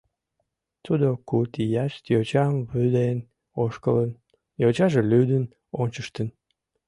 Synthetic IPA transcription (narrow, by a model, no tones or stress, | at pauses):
t̪ud̪okut̪ijɑʃt̪jot͡ɕɑmβyd̪en | oʃkələn | jot͡ɕɑʒelyd̪ən | onʲt͡ɕəʃt̪ən